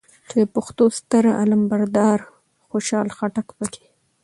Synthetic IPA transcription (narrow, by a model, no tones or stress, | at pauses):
t͡ʃed̪əpaxt̪ost̪əɾa̰lambaɾd̪ɑɾ | xoʃɑlxaʈakpəke̥